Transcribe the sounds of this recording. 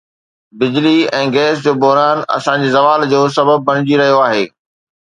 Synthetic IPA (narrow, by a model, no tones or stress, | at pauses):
bɪd͡ʑliɛ̃ːɡɛːs̬d͡ʑoːbɔɦɾaːnɐ̰sãɲd͡ʑiːzɐʋaːld͡ʑoːs̬ɐbəb̚ːɐɽ̃ɪd͡ʑiɾɐɦijoaːɦeː